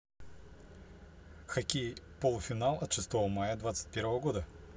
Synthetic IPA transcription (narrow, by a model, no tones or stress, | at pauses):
xɐkʲepolˠʊfʲɪnalˠɐt̪ʂɨst̪ovəmajəd̪vat̪sɨ̥t̚ʲpʲeɾvəvəɡod̪ə